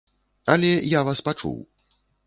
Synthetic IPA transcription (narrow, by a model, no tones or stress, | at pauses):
ɐlʲɛjavaspat͡ʂṵw